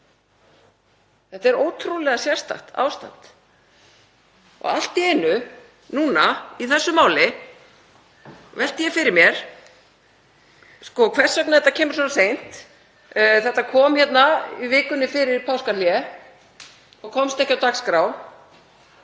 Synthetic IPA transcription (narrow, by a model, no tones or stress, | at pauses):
θɛht̪aɛɾoːwt̪ʰɾulɛɣasjɛr̥st̪a̰ht̪a̰ːwst̪a̰n̥t̪ | ɔ̰ɣa̰l̥t̪ɪɪnʏ | nuːnaiθɛsːʏmaːwlɪ | vɛl̥t̪ɪjɛfɪɾɪɾmjɛɾ̥ | skɔkʰvɛr̥sœknaðθɛt̪acʰɛːmʏɾ̥sɔːnasejn̥t̪ | θɛht̪ːakʰɔːmhçɛt̪naivɪːkʏnːɪfɪɾɪɾpʰawskaljɛ | ɔkʰɔmst̪ɛhcːawt̪akskɾaw